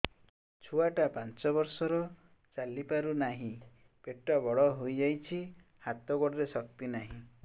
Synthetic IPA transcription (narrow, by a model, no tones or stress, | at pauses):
t͡ʃʰuaʈapant͡ʃɔbɔɾsɔɾɔ | t͡ʃalipaɾunaɦĩ | peʈːabɔɭɔɦojd͡ʒajt͡ʃʰi | hat̪ɔɡɔɽɾesɔk̚t̪inaɦĩ